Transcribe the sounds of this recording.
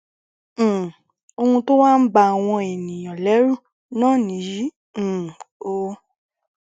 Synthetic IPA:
o˧hũ˧to˦wa˦n̩˦ba˧˨w̃ɔ̃˧e˨nĩ˨j̃ã˨lɛ˨˦ɾu˦˨ | nãː˦˨nĩ˨˦jĩ˨˦˨ | o˦

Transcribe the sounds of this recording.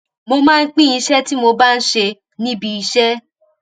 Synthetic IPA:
mo˧mãː˦˧˦k͡pĩ˦ĩ˧˦ʃɛ˦ti˦mo˧ba˦n̩˦ʃe˧ | nĩ˦bi˧i˧ʃɛ˦

